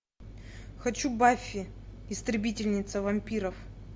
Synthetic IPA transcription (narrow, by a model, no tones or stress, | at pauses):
xɐt͡ɕubafʲːɪɪst̪ɾʲɪbʲitʲɪlʲnʲɪt̪səvɐmʲpʲiɾəf